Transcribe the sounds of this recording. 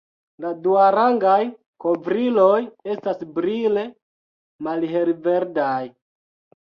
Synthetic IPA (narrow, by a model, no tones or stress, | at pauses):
laduaɾaŋɡaj | kovɾilo̞je̞stasbɾile̞ | malɦelve̞ɾdaj